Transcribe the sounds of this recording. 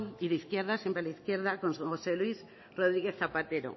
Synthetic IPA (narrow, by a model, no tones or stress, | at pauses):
iðeiθkjeɾð̞asempɾelaiθkjeɾð̞akonsŋxoseluis | roðɾiɣ̞eθːapat̪eɾo̰